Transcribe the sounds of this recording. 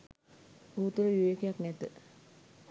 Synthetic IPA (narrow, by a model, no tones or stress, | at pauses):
uːut̪uɾəʋiʋeːkejaknɛt̪ə